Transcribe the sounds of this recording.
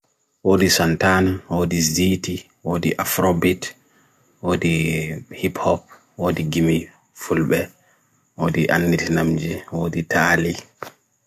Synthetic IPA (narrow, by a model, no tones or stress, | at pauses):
woːdisantanwoːdiziti | woːdiʔafɾobit | woːdihiphɔp̚ | woːdiɡimi | fulɓɛ | woːdiʔa̰nːitnamd͡ʒiwoːditʰaːli